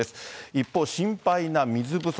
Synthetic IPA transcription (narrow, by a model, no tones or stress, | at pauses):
esɨ̥ipːo̞ɕĩmpainamʲizɨbɯ̟s